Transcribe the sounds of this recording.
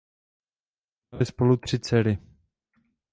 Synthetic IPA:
alɪspolut̪r̝̥ɪt͡sɛɾɪ

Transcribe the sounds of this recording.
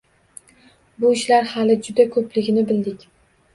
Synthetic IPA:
bʊɪʃlaɾhalɪd͡ʒʊd̪akʰɵplɪɡʲɪnɪbɪld̪ɪkʲ

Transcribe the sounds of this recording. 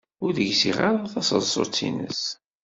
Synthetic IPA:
ʊɾðəʝsiʁaɾˤaθɑsə̰ðsˤo̰t͡sːḭnə̰s

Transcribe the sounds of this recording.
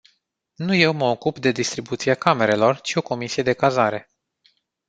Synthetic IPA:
nuje̞wməo̞kupd̪e̞d̪ist̪ɾibut̪siakame̞ɾe̞lo̞rt͡ʃio̞ko̞misije̞d̪e̞kazaɾe̞

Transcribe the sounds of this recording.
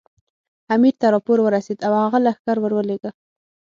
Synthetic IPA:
amiɾt̪aɾɑpoɾwəɾased̪awhaɣalaxkaɾwəɾwəleɡa

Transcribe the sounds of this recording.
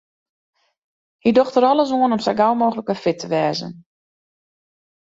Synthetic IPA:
hidɔxtəɾɔləs̬oənɔmsajɡawmoːɣələkəfɪtʰəʋɛːzə̰n

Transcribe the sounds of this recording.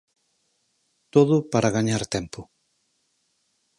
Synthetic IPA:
t̪oðʊpaɾaɣaɲaɾt̪ɛmpʊ

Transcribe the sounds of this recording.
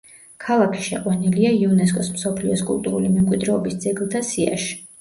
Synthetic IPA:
kʰalˠakʰi̥ʃɛqʼwaniliaiɔnɛs̬kʼɔsmsɔpʰliɔskʼulˠt̪ʼuɾulimɛmkʼwid̪ɾɛɔbisd̪zɛɡlˠt̪ʰasia̰ʃ

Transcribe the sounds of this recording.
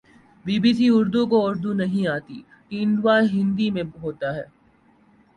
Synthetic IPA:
biːbiːsiʊɾd̪ukoʊɾd̪unɐɦĩaːt̪ḭ | kiɪ̃nd̪ʋaɦɪ̃nd̪imẽɦoːt̪aɦɛː

